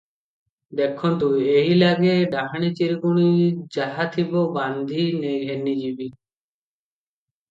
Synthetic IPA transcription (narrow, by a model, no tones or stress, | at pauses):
d̪ɛkʰɔnt̪ueɦilaɡeɖaɦaɽ̃ɛt͡ʃiɾɡuɽ̃id͡ʒaɦat̪ʰibɔband̪ʱinejɦenid͡ʒibi